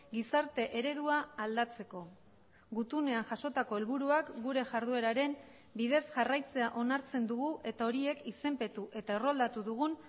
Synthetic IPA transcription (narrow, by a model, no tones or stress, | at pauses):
ɡisaɾt̪e̞ʔe̞ɾe̞ðuaːld̪at͡se̞ko̞ | ɡut̪une̞aŋʝaʃo̞t̪ako̞e̞lβuɾuakɡuɾe̞ʝaɾð̞ue̞ɾaɾe̞m | biðe̞sʝarajt͡se̞aʔo̞naɾt͡se̞nd̪uɣuʔe̞t̪ao̞ɾie̞kise̞mpe̞t̪uʔe̞t̪aero̞ald̪at̪uðuɣ̞un